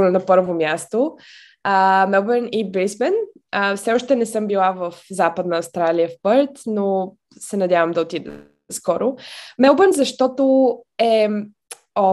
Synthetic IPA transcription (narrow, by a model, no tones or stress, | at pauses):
nɛnɐpɤɾvomjast̪o | əmɛlˠbɛnibɾismɛnəfsɛɔʃt̪ɛnɛsɤmbilˠavəfzapəd̪nəːst̪ɾaliəfpɤɾt̪no | sɛnɐd̪ʲjavəmd̪ɐot̪id̪ɛ̰ | skɔɾomɛlˠbɛnzɐʃt̪ɔt̪oɛ | ɔ